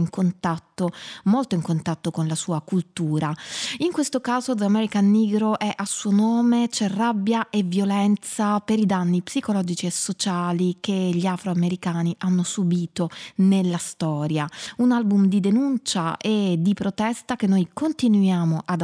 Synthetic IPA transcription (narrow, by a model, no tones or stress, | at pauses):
iŋkont̪at̪ːomolt̪oiŋkont̪at̪ːokonlasuːakult̪uːɾaiŋkwest̪okaːzod̪amɛɾikanːiːɡɾoʔɛʔasːuonoːmet͡ʃɛrːabːjaʔevjolɛnt̪sapeɾid̪anːipsikolɔd͡ʒit͡ʃiesːot͡ʃaːlikeʎiafɾoameɾikaːniʔanːosubiːt̪onelːast̪ɔːɾjaunalbumd̪id̪enunt͡ʃaʔed̪ipɾot̪ɛst̪ak̟enːojkont̪inujaːmoʔad̪